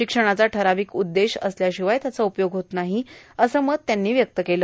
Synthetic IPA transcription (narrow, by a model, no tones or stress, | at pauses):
ɕikʂəɽ̃at͡saʈʰəɾaʋiːkud̪ːeɕə̰sljaɕiʋajt̪jat͡saupjoɡɦot̪naɦiəsəːməɡ̚t̪janːiːʋjək̚t̪əkeləː